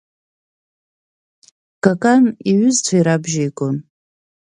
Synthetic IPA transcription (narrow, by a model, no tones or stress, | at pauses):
kʼakʼaniɥʏzt͡sʷʰaiɾabʒejkʷʼon